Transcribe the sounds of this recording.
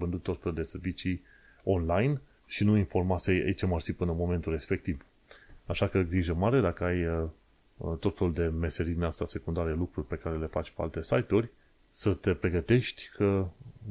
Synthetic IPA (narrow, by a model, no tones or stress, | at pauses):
vɨnd̪ut̪ːo̞t̪fe̞lud̪e̞se̞rvit͡ʃi | o̞nlajn | ʃinuinfo̞rmaseja̰it͡ʃamarsipɨnəmo̞ment̪ulre̞spe̞k̚t̪iv | aʃakəɡɾiʒəmaɾe̞d̪akəaj | t̪o̞t̪fe̞lud̪e̞me̞se̞ɾid̪ineast̪ase̞kund̪aɾelukɾurʲpe̞kaɾe̞le̞fat͡ʃʲpea̰lt̪e̞sajt̪urʲ | sət̪e̞pɾe̞ɡət̪e̞ʃt̪ʲkʰə